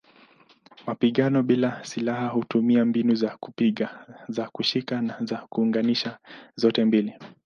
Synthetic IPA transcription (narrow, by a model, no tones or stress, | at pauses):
mapiɠanɔɓilasilahahutumiambinuzaku̥piɠazakuʃikanazakuːŋɡaniʃazɔtɛmbili